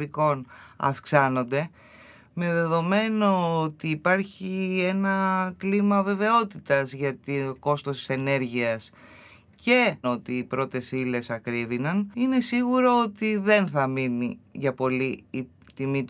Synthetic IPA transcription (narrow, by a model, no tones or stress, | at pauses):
ɾiko̞nɐ̰fksɐno̞nd̪e̞ | me̞ðe̞ðo̞me̞no̞ot̪iːpɐɾçie̞nɐklimɐve̞ve̞o̞t̪it̪ɐzʝɐt̪iko̞st̪ost̪i̥se̞ne̞ɾʝiɐs | ce̞o̞t̪iːpɾo̞t̪e̞sile̞sɐkɾiðinɐnine̞siɣuɾo̞ot̪iðe̞nθɐminiʝɐpo̞liː | t̪imit̪